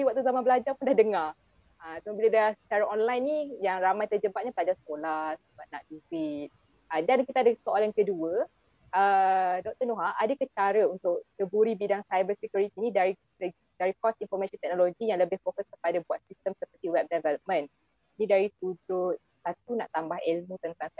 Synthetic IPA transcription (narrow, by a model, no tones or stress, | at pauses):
iwaʔ̚t̪uzamãnbəlad͡ʒapundahdəŋar | ət̪məbilədaahsə̥t͡ʃaɾaʔɔnlajnːijaŋramãjt̪ərd͡ʒəbat̪̚ɲapəlad͡ʒasə̥kolat̪̚səbat̪̚na̰ʔduwit̪̚ | ədankit̪adəsoʔalankəduə | ʔədɔk̚t̪ənoɦaʔadəkət͡ʃaɾəunt̪ʊʔ̚təbuɾibidaŋsajbəsikjuɾit̪inĩdaɾi | ə | daɾikɔsinfɔmaʃɔnt̪ɛk̚noloɡijaŋləbɪhfokəskə̥padabuat̪̚sist̪əmsəpərt̪iwɛp̚dɛvɛləp̚mə̃n | nĩdaɾit̪udʊ | sat̪unaʔt̪ambahɛlmũt̪ənt̪aŋ